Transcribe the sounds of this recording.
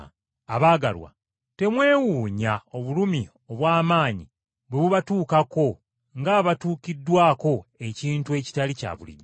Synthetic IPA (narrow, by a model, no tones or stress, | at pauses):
aβaːɡa̰lwa̰ | te̞mwe̞ːwuːɲao̞βulumi | o̞βwaːmaːɲi | βweβuβatuːkako̞ | ŋɡaβatuːkidːwaːko̞e̞ciːntue̞ci̥talica̰βṵlḭmi